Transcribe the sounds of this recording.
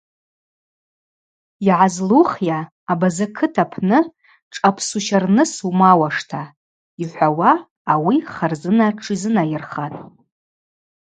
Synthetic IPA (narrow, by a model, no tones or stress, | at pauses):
iʕazluχjaː | bazakʰɨtʰapʰnɨ | ʈ͡ʂʼapʰsuʃarnɨsumawaʂtʰa | iħʷawaː | wiχarzɨnaʈ͡ʂʰizɨnajɪrχatʼ